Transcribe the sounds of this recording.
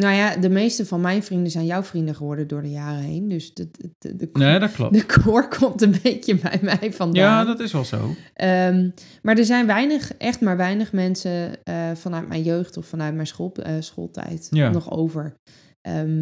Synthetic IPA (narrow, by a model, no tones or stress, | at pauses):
nowjadəmejstəvɑnmɛjnvrindəzɛjnjawvrindəχəʋɔɹdədʊːɹdəjaːrəɦejndøsətəedklɔ̰dəkʰoɹkʰɔmtənbejcəbɛ̰jmɛjfɑndadɑtɪsʋɛlˠzo̰wʔəm | maːɹdəɹzɛjnʋɛjnəχʔɛχtmaːɹʋɛjnəχmɛnsəfɑnœɥtmʔɛ̰jnjøɥχtɔfːɑnœɥt̚mɛjnsolˠsχo̰ːlˠtʰɛ̰jtanɔχo̰wvəɹ | ʔəm